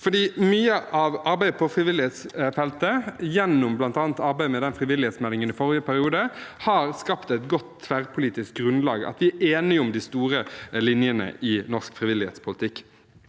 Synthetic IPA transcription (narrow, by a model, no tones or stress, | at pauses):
fɔd̪iːmyːəʔɑʋɑɾbæɪəpʰɔfɾɪʋɪlɪheːt̪sfɛlt̪əjɛnːʊmblɑnt̪ɑːnt̪ɑɾbæɪmɛd̪ɛnfɾɪʋɪlːɪheːt̪smɛlːɪŋənɪfɔɾɪəpʰæɾɪuːd̪əhɑɾskɑpt̪ɛt̪ɡɔt̪ʰːʋæʁpʰʊliːt̪ɪsk̚ɡɾʉnlɑ̰ːɡɑ̰t̪ʋɪæeːnɪʊmd̪ɪst̪uːɾəlɪnjənə̰ʔɪnɔʁskfʁɪʋɪlɪhḛt̪spʰʊlɪt̪ʰɪkː